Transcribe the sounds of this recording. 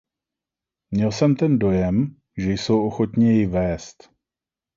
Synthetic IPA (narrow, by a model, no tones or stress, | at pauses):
mɲɛlsɛmt̪ɛndo̞jɛm | ʒɛjso̞wʔo̞xo̞t̪ɲɪjɛjvɛːst̪